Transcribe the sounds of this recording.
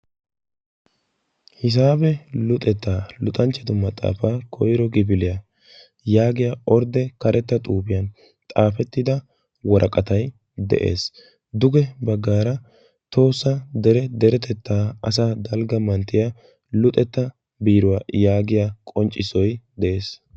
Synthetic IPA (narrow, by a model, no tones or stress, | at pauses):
hɪs̬aːbɛlʊt̪ʼɛt̪ːaːlʊt̪ʼɐnt͡ʃːɛd̪ʊmɐt̪ʼa̰ːfaːkʰɔjɾɔɡɪbɪlɪja | jaːɡɪjaɔɾd̪ɛkɐɾɛt̪ːɐt̪ʼuːbɪjɐn | t̪ʼaːfɛt̪ːɪd̪ɐ | wɔɾʔɐkʼɐt̪ɐj | d̪ɛ̰ʔe̞̰ːs | d̪ʊɡɛbɐɡːaːɾɐ | t̪o̞ːsːɐd̪ɛɾɛd̪ɛɾɛt̪ɛt̪ːaːɐ̰saːd̪ɐlɡɐmɐnt̪ːɪja | lʊt̪ʼɛt̪ːɐ | biːɾʊwajaːɡɪjaːkʼɔnt͡ʃʼːɪsɔjd̪ɛʔe̞ːs